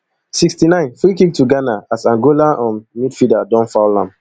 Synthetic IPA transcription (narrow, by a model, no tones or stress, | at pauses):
sikstinãɪ̃nfikik̚tʰuɡanaasãnɡolaʔɔ̃nmidfidadɔ̃nfaʊlãm